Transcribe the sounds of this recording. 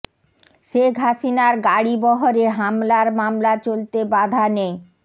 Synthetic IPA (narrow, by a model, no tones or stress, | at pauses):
ʃeɡʱaʃinaɾɡaɽibɔɦoɾeɦamlaɾmamlat͡ɕolt̪ebad̪ʱanej